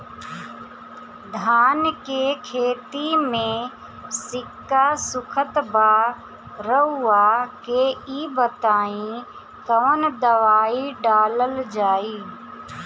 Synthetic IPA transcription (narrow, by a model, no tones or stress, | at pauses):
d̪ʱaːnkekʰeːt̪imẽ | sɪkːasʊkʰət̪ba | ɾəuːakeiːbət̪aːĩ | k̪əʋənd̪əʋaːiɖaːləld͡ʒaːiː